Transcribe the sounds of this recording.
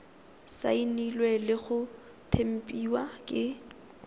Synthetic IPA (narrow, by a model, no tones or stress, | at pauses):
sa̰inilwɛlɪχʊ | tʰem̩pʼiwakʼɪ